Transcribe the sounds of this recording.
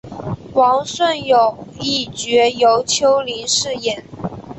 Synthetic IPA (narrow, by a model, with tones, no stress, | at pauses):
wɑ˧˥ŋswə˥˩njo˨˩ʊi˥˩t͡ɕɥɛ˧˥jo˧˥ʊt͡ɕʰjo˧˥ʊli˧˥nʂɻ̩˥˩jɛ˨˩˦n